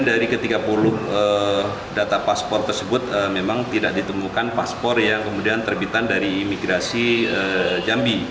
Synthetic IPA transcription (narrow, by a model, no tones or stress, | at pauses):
daɾikət̪iɡapulʊhə | dat̪apaspɔrt̪ərsəbʊt̪̚əmemaŋt̪idaʔ̚dit̪əmukanpaspɔrjaŋkəmudiant̪ərbit̪andaɾiːmiɡɾasiəd͡ʒambi